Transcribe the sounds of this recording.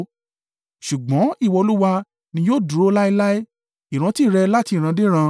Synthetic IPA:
ʃu˨ɡ͡bɔ̃˨˦i˦˨wɔ˧lu˦wa˧ | nĩ˧joː˦˨du˨ɾo˦la˦i˧la˦i˦ | i˨ɾ̃ã˨˦ti˦˨ɾɛ˧la˦ti˧˨ɾ̃ã˧de˦ɾ̃ã˧

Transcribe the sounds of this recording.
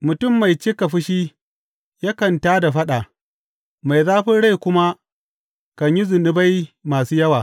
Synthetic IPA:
mʊ˨tʊ˦˨mːa˨jt͡ʃɪ˦ka˨ɸɪ˦ʃiː˦ | ja˦kɐ˨ntaː˦da˨ɸɐ˦ɗa˨ | ma˨jzaː˦ɸɪ˦nɽa˦˨jkʷʊ˦ma˦ | kɐ˨ɲji˦zʊ˨nɪ˦ba˦jmaː˨suː˦jɐ˦waː˨

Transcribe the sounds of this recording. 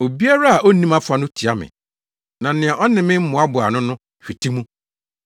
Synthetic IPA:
o˨bi˦a˦ɾa˦a˨ʔo˦nĩ˦ma˦fʊ˨˦a˨nʊ̃˦tʰi˨a˦mɪ̰̃˨ | nã˨˦nɪ̃˨a˨ʔɔ˦nɪ̃˨mɪ̃˦m̩˦mʊ̃˨˦a˦bʊ˨a̰˨nʊ̃˦nʊ̃˦ | ɕᶣi˨tʰi˦mũ˦

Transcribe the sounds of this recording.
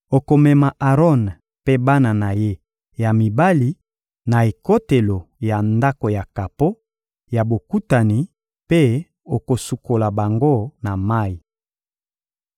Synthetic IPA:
o˨ko˨mɛ˨ma˨ʔa˨ʁɔ˦n | pe˦ba˦na˨na˨je˦ | ja˨mi˨ba˦li˨ | na˨e˨ko˦te˨lo˨ja˨nda˦ko˨ja˨ka˨po˦ | ja˨bo˨ku˦ta˨ni˨ | pe˦ | o˨ko˨su˨ko˨la˨ba˨ŋɡo˦na˨ma˦i˨

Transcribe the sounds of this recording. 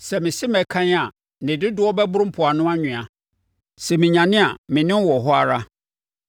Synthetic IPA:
sɛ˨mɪ̃˨sɪ˦mɛ˨˦kʰã˦ɲ˦a˨ | nɪ̃˨dɪ˦dʊ˦ɔ˦bɛ˦bʊ˦ɾm̩˦pʰʊ˨a˨nʊ̃˦a˦ɲʊ̃˨a˨ | sɛ˨mɪ̃˨ɲã˨nɪ̃˦a˨mɪ̃˨nɪ̃˦wɔ˨ɦɔ˦a˨ɾa˦

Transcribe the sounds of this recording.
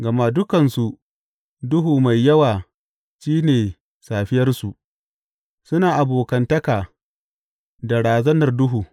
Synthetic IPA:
ɡɐ˨ma˦dʊ˦kɐ˨nsu˨ʔ | dʊ˦ɦuː˨ma˨jːɐ˦waː˨ | ʃiː˦neː˨ | saː˨ɸɪ˦jɐ˦rsu˨ʔ | sʊ˦naː˨ʔa˨boː˨kɐ˨ntɐ˦kaː˨ | da˨ɽaː˨zɐ˦nɐ˨rdʊ˦ɦuː˨

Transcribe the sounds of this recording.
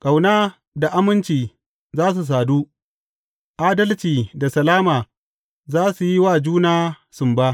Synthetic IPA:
kʼa˨wnaː˦ | da˨ʔa˦mɪ˦nt͡ʃiː˨ | zaː˦s̬u˨s̬aː˨duː˦ | ʔaː˦dɐ˦lt͡ʃiː˨da˨sɐ˨laː˦maː˨ | zaː˦su˨ji˦waː˦˨d͡ʒuː˦naː˦ | sʊ˨mbaː˦

